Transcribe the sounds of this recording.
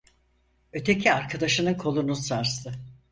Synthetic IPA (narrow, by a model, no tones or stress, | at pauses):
ø̞t̪ʰe̞cʰiaɾkʰad̪aʃɯnɯnkʰo̞lˠunusaɾst̪ʰɯ